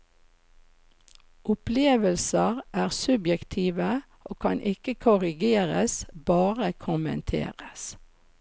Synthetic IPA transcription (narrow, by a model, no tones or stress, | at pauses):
ʔʊpleːʋəlsəʁʔæːʁsʉbjɛkt̪ʰiːʋə | oːkʰɑnʔɪkəkʰʊʁɪɡeːʁə̰sbɑːʁəkʰʊmə̰nt̪ʰḛːʁəs